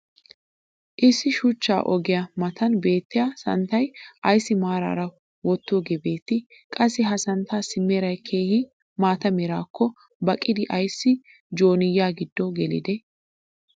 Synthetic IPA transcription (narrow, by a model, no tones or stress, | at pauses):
ʔɪsːɪʃʊt͡ʃːa̰ːʔɔɡɪjɐmɐt̪ɐnbe̞ːt̪ːɪjasɐ̰nt̪ɐjʔɐjsːɪmaːɾa̰ːɾɐ | wɔt̪ːɔɡɛbe̞ːt̪ːɪ | kʼɐsːɪɦɐsɐnt̪ːaːsɪmːeːɾɐjkʰe̞ːhɪ | maːt̪ɐmɛɾaːkːɔ | bɐkʼːɪd̪ɪʔɐjsːɪ | d͡ʒo̞ːnɪjːaːɡɪd̪ːɔɡɛlɪ̰d̪ɛ